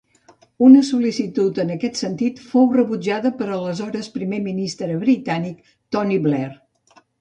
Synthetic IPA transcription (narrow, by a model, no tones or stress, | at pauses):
unəsulisit̪ut̪ənəkɛt̪sənt̪it̪fowrəβud͡ʒaðəpəɾələzɔɾəspɾimeminist̪ɾəβɾit̪anik̚ | t̪ɔniβlɛr